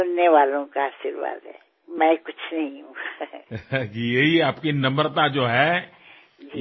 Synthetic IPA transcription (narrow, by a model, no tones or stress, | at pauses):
ʊnːeʋaːlõkaaːʃiɾʋa̰ːd̪ɦɛ̰ː | mɛ̃ːkʊt͡ʃʰnɐɦĩɦũːɡa | kijeɦiaːpkinɐ̃mbəɾt̪ad͡ʒoːɦɛː | d͡ʒi